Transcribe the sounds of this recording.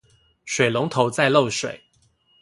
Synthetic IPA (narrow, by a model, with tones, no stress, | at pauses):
ʂwe˨˩ɪlʊ˧˦ŋt̪ʰo˨˧˥ʊt͡sa˥˧ɪlo˥˨˩ʊʂwḛ˨˩˦ɪ